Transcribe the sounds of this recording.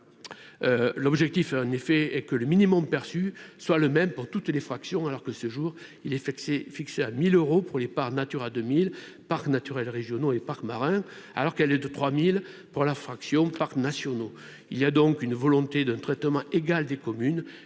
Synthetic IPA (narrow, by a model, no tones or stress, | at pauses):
ølɔbʒɛk̚t̪ifɑ̃nefɛɛkələminimɔmpɛʁsyswaləmɛmpuʁt̪ut̪lefχaksjɔ̃alɔʁkəsəʒuʁ | ilɛffikseamiløʁopuʁlepaʁnat̪yʁad̪ømil | paʁknat̪yʁɛlʁeʒjɔnoepaʁkmaʁɛ̃a̰lɔʁkɛlɛd̪ət̪χwamil | puʁlafχaksjɔ̃paʁknasjɔno | iliad̪ɔ̃ŋkynvɔlɔ̃t̪ed̪ɛ̃nt̪χɛt̪mɑ̃eɡald̪ekɔmyn